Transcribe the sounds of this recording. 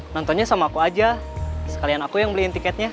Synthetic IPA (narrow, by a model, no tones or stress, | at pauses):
nɔnt̪ɔnɲasamaːkuad͡ʒa | sə̥kalianakujaŋbəliɛnt̪ikɛt̪̚ɲa